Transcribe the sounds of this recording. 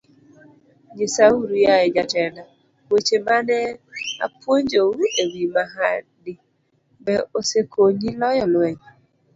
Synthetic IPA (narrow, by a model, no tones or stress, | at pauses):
ɲesauɾujaɪd͡ʒatɛna | wet͡ʃemanɛa̰poɲd͡ʒowewimaɦa | dɪ | bɛosekʰoɲilɔjɔnwɛɲ